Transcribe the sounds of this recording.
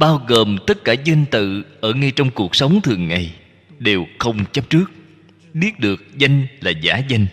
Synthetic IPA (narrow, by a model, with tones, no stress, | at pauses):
ɓaː˧wɣəː˨˩mt̪ə˦˥t̚kaː˧˩za˧jŋ̟t̪ɨ̰˧˨ʔəː˧˩ŋa˧jt͡ɕɔ˧wŋ͡mku˨˩ək̚sə˨˦wŋ͡mt̪ʰɨ˨˩əŋːa˨˩j | ɗe˨˩wxə˧wŋ͡mt͡ɕə˦˥p̚t͡ɕɨ˦˥ək̚ | ɓi˦˥ət̚ɗɨ˨˩ək̚za˧jŋ̟laː˨˩zaː˧˨˦za˧jŋ̟